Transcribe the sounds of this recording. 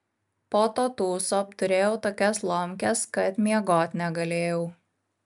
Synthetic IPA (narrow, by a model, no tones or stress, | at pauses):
poːt̪oːt̪uːsopt̪ʊɾʲeːjɛʊt̪oːkʲɛslˠɔmʲkʲɛskɐt̪mʲiɛɡoːt̪ʲnʲɛɡɐlʲeːjɛʊ